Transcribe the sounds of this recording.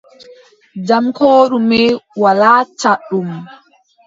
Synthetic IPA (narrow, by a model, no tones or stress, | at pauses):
d͡ʒamkoːɗumɛwalaːt͡ʃaɗːum